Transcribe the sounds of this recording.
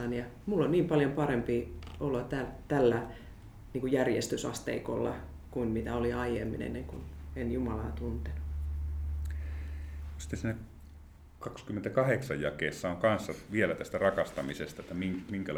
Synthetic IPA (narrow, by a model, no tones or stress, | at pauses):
ɑnjɑmulːonniːmpɑljompɑrempiolot̪ælt̪ælːæ | niːkujærjest̪ysɑ̰st̪ḛiko̰lːɑ̰ | kunmit̪æoliɑijemːḭnḛnːeŋkṵnenjumɑlɑ̰ːt̪unt̪enu̥ | si̥t̪ːesiːnæ | kɑkskymːent̪ækɑheksɑjjɑkeːsːɑoŋkɑnsːɑʋielæt̪æst̪ærɑkɑst̪ɑmisest̪ɑet̪ːæmiŋmiŋkæl